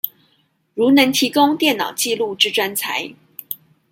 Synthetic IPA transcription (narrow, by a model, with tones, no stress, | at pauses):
ɻu˧˥nə˧˥ŋt̪ʰi˧˥kʊ˥ŋt̪jɛ˥˩nnɑ̰˨˩ʊt͡ɕi˥˧lu˥˧ʈ͡ʂɻ̩˥˧ʈ͡ʂwa˥nt͡sʰa˧˥ɪ